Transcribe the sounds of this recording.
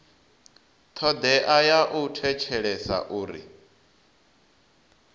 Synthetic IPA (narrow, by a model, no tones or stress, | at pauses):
t̪ʰɔd̪ɛʔajaʔutʰɛt͡ʃʰɛɺɛsa̰ʔuːɾḭ